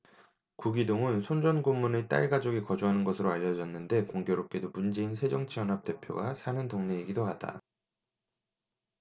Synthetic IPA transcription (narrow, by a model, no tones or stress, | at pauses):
kuɡidoŋɯnsʰond͡ʑʌnɡomːunɯt͈a̰ɭɡad͡ʑʌɡikʌd͡ʑuɦanɯnɡʌsʰɯɾoaʎːʌd͡ʑʌnːɯnde̞koŋɡjoɾop̚k͈e̞domund͡ʑe̞insʰe̞d͡ʑʌŋt͡ɕʰijʌnɦap̚t͈e̞pʰjo̰ɡasʰanɯntoŋne̞iɡidoad̥a̰